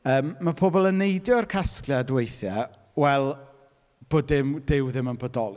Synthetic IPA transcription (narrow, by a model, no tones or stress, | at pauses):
əːmːapʰoːbɔlˠənːejdjɔarkʰasklˠjadwejθja | wɛlˠ | b̥oːdɪmdɪwðɪmənbɔdɔlˠ